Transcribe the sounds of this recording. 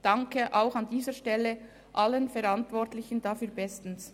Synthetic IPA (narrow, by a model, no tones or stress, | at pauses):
d̥ɑŋkʰəʔaʊxɑndiːzəʃtɛlːə | ʔalːənfɛɾantvɔɾtlɪçən̩dafyːɐbɛstn̩s